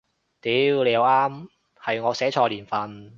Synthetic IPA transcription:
t̪iː˨˥wle˨˧ja˨˧waː˥m | hɐ˨jŋɔː˨˧sɛː˨˥t͡ʃʰɔː˧liː˨˩nfɐ˨˧n

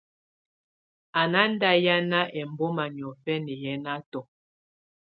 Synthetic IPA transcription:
a˨na˦n˦da˦ja˦na˦ʔɛ˨m˨bo˦ma˨ɲ˨ɔ˨fɛ˦nɛ˨jɛ˦na˦tɔ˨

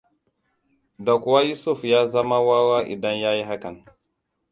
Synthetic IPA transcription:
da˨ku˨wa˦ju˦su˦˨fja˦za˦ma˦wa˦wa˦ʔḭ˨da˦nja˦ji˦ɦa˦ka˨n

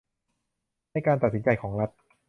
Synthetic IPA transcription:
a˧jkaː˧nt̪a˨˩si˩˦nt͡ɕa˧jkʰɔː˩˦ŋɾa˦˥t̪̚

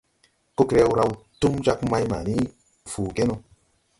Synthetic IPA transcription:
ko˦kɾe˧˦wu˦ɾa˧wtu˦md͡ʒa˦kma˦jma̰˨ni˦˨ | fuː˨ɡe˦no˧

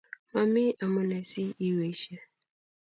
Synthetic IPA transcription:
ma˨mi˦ʔa˨mʊ˦ne˨si˦i˦we˨˦ʃe˦

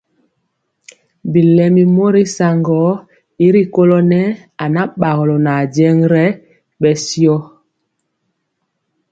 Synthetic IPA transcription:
bi˨lɛ˨mi˨mo˦ɾi˦sa˨ŋɡɔ˨˦ | i˦ɾi˦ko˦lɔ˦nɛ˦ | a˨na˦ɓa˨ɣɔ˨lɔ˨na˨d͡ʒɛ˦ŋɾɛ˦ | ɓɛ˨sjɔ˦

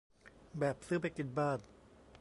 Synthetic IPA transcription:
bɛː˨˩p̚sɯː˦˥˩pa˧jki˨˩t̪̚baː˥˩n

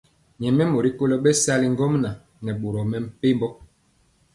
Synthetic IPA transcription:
ɲɛ˨mɛ˦mo˨ɾi˦ko˦lo˦ɓɛ˦sa˦li˦ŋ˦ɡɔ˦mna˨ | nɛ˨ɓo˨ɾɔ˨mɛ˨m̩˨pe˦mbɔ˦

